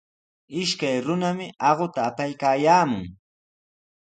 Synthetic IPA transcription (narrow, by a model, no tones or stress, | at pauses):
ɪʃkajɾʊnamɪɑɢot̪aːpajkaːjaːmʊŋ